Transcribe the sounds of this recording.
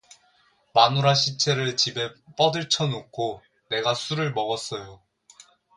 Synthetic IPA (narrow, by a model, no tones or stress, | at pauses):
manuɾaɕʰit͡ɕʰe̞ɾɯɭt͡ɕibe̞p͈ʌdɯɭt͡ɕʰʌnokʰo | ne̞ɡasʰuɾɯɭmʌɡʌs͈ʌjo